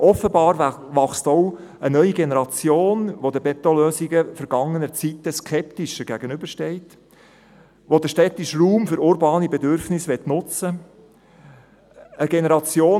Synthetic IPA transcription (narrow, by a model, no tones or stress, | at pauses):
ʔɔfəbɑːɾʋɑχstow | ənœʏiɡenɛɾɑt͡sjoːnʋod̪əbɛt̪oløːziɡəfɛɾɡ̥ɑŋːənət͡sitːəskʰɛptɪʃəɡ̥æɡ̥ənʏbəɾʃtɛɪt | ʋod̪əʃtɛt̪ɪʃruːmfʏɾʊɾbɑːnibɛdʏɾfnɪsʋɛtnʊt͡sə | əɡɛnɛɾɑt͡sjoː